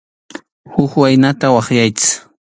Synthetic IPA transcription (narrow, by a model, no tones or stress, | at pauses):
hʊkwajnat̪awɑχjajt͡sɪ̥χ